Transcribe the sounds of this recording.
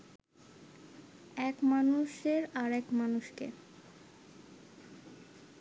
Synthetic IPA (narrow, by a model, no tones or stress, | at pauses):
ɛkmanuʃeɾaɾɛkmanuʃkḛ